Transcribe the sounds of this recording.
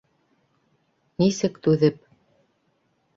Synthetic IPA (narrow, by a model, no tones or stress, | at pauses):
nisɘkt̪ʉðɘp̚